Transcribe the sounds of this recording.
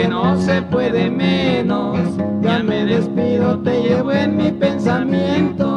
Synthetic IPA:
enosepweðemenosɡameðespiðot̪eʝeβoenmipensamjent̪o

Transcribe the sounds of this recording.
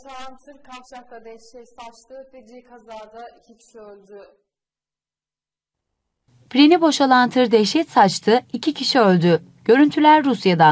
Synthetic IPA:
t̪ʰaamsɯɾkʰaft͡ʃaklˠad̪ɛʃɛt̪sat͡ʃt̪ɯped͡ʒ̪ijkʰazaːd̪aicʰicʲʰi̥ʃiølʲd̪y | pɾenibo̞ʃalˠant̪ʰɯɾd̪ɛʃɛt̪sat͡ʃt̪ʰɯicʰicʰiʃiølʲd̪y | ɟ̥ø̞ɾynt̪ʰylʲæɾːusjad̪a

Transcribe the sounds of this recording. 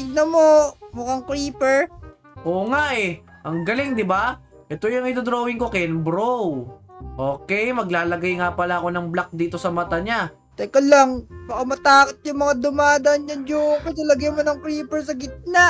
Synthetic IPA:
ɪɡ̚nɐmomʊkaŋkɾiːpɛɹ | ʔoːŋaʔɛ | ʔɐŋɡɐlɪŋd̪ɪba | ʔɛt̪ojʊŋɪd̪od̪ɾoːwɪŋko̞kɛnbɾowʔo̞ːkɛjmɐɡlaːlɐɡajŋapɐlaʔɐko̞nɐŋblak̚d̪iːt̪o̞sɐmɐt̪aɲa | t̪ɐjkolːɐŋbɐkɐmɐt̪aːkot̪̚jʊŋmɐŋad̪ʊmaːd̪ɐnɲɐnjʊŋpɛlɐlɐɡɐjmonɐŋkɾiːpɛɹsɐɡɪt̪̚na

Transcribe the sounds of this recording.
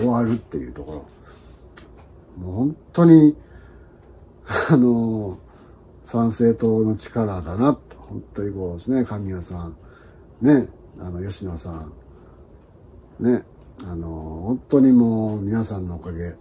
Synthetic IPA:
oaɾɯ̟t̪ːe̞jɯ̟ːt̪o̞ko̞ɾo̞̰ | moːhõnt̪ːo̞ɲ̟i | ano | sãɰ̃se̞ːt̪oːno̞t͡ɕi̥kaɾad̪anat̪ːehõ̞nt̪ːo̞ɲ̟iko̞ːsɨnekamʲijasãɴ̃ | ne̞ | a̰no̞jo̞ɕinasã | ne̞ | anohõnt̪o̞ɲ̟imoːmʲinasãnːo̞ːkaɡe̞

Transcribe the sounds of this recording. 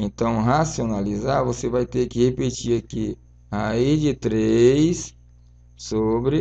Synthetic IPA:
ẽnt̪ɐ̃w̃ɦasionalizaɾvosevajt̪eɾkɪhepet͡ʃiɾaki | aid͡ʒɪt̪ɾejs | sobɾɪ

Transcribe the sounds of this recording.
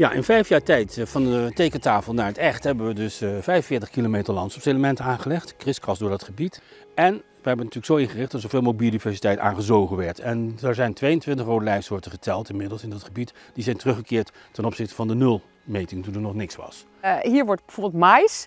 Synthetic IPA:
ja̰ʔɪ̰nfɛjfjaːɹtɛjtfɑndətejkətaːfəlˠnaːɹətɛχtɦɛbənʋədɵsfɛjvənfɪːɹtəχkilomejtəɹlɑntsɔpseləmɛntənaːnχəlɛχtkrɪskrɑsdʊːɹdɑtχəbit | ɛn | ʋəɦɛbənatyːɹləksowɪnχərɪχtd̥ɑtsov̥ɪːlˠmobidivɛɹsitɛjta̰ːnχəzowχənʋɛɹtʰɛndɛɹzɛjntʋejəntʋɪntəχrowdəlɛjfsʊːɹtəχətʰɛlˠtɪnmɪdəlˠsɪndɑtχəbitd̥izɛjntərɵχəkɪːɹt | tɛnɔpsɪχtə̥vɑndənɵlˠ | mejtɪŋtundəɹnɔχnɪksʋɑ̰s | ɦiːɹʋɔɹtbəvoːbəlˠtmajs

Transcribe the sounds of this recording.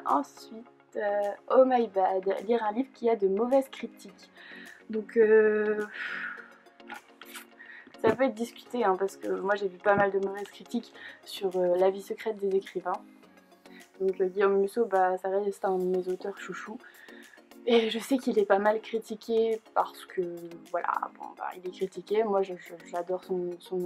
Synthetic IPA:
ɑ̃sɥit̪øɔmajbad̪liʁɛ̃livʁəkʲiad̪əmɔvɛzkχit̪ʰikd̪ɔ̃køf | sapøɛt̪d̪iskʲy̥t̪eɛ̃paʁsə̥kəmwaʒevypamald̪əmɔvɛz̥kχit̪iksyʁølavisəkχɛt̪̚d̪ezekχivɛ̃ | d̪̥ɔ̃kɡʲijomːysobasaʁɛst̪ɛ̃d̪əmezot̪œʁʃuʃu | eʒəsɛkilɛpamalkχit̪ikʲepaʁsə̥kʰəvwala̰bɔ̰̃ba̰ilɛkχit̪ikʲemwaʒəʒəʒad̪ɔʁsɔ̃sɔ̃

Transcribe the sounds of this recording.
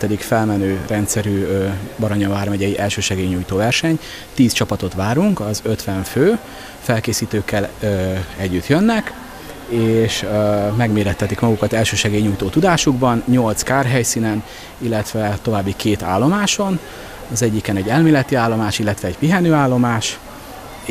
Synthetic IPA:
t̪ɛd̪ikfɛlmɛnøːrɛnt̪sɛɾyːbɒɾoɲoaːrmɛɟɛjiʔɛlʃøːʃɛɡeːjɲːuːjt̪oːvɛrʃɛɲ | t̪iːst͡ʃɒpɒt̪o̞t̪ʋaːɾuŋkɒzø̞t̪ʋɛɱføː | fɛlkeːsiːt̪øːkːɛl | ɛɟːyt̪jønːɛk | eːʃmɛɡmeːɾɛt̪ːɛt̪ikmɒɡukɒt̪ɛlʃøːʃɛɡeːjɲuːjt̪oːt̪ud̪aːʃuɡbɒnɲo̞lt̪skaːrɦɛjsiːnɛn | ilːɛt̪ʋɛt̪o̞vaːbːikʰeːt̪a̰ːlːo̞maːʃo̞n | ɒzɛɟːikɛnɛɟːɛlmeːlɛt̪iaːlːo̞maːʃilːɛt̪ʋɛːɟpiɦɛnøːaːlːo̞maːʃ

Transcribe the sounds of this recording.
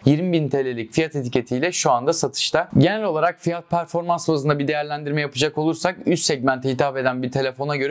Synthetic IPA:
jiɾmibint̪ʰelʲelʲicfijat̪e̞t̪ʰice̞t̪ʰijlʲɛʃuand̪asat̪ʰɯ̥ʃt̪aɟenælʲo̞lˠaɾak̚fijat̪̚pʰæɾfo̞ɾmansvazɯnd̪abid̪e̞jæɾlʲænd̪iɾmɛjapɯd͡ʒako̞lˠuɾsakyst̪sɛɟmænt̪iɦit̪ʰafe̞d̪ænbiɾt̪ʰe̞lʲefo̞naɟø̞ɾɛ

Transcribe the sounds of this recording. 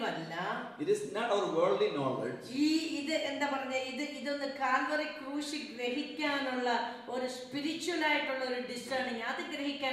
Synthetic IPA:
mɐlːɐ | iʈisnɐʈɐʋɐɾʋeːɭɖlinɔːlḛd͡ʒiːiðɨʔe̞nd̪aːpɐrɐɲːɐiðɨʔiðo̞nːɨkaːlʋɐrikruːɕiɡɾɐɦikʲːaːnuɭːɐ | o̞ɾuspiɾit͡ɕːuwɐlaːjiʈːuɭːɐoɾuɖisʈɐɳiŋaɐðɨɡɾɐɦikʲːaː

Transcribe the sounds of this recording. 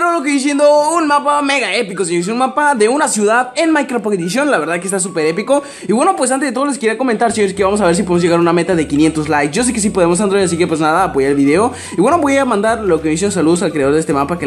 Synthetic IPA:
ɾolok̬ejis̬jend̪ounmapame̞ɣae̞pikos̬eɲoɾis̬eunmapaðe̞unasjuðaðenmajkɾopokeðis̬jo̞nlaβɾðaðkest̪as̬upe̞ɾe̞piko̞ | iβwe̞no̞pwes̬ant̪ezet̪ooleskiɾiako̞ment̪aɾseɲoɾeskeβamo̞s̬aβe̞ɾs̬ip̬oðemozʝe̞ɣaɾuname̞t̪aðe̞kinje̞nt̪oslajksʝo̞s̬eke̞s̬ipo̞ð̞e̞mo̞s̬and̪ɾoeasikepwe̞znaðaːpoʝaɾelβiðe̞o̞ | iβwe̞no̞βo̞jamãnd̪aɾlo̞kemeis̬enosaluðos̬alkɾe̞aðoðest̪e̞mapake

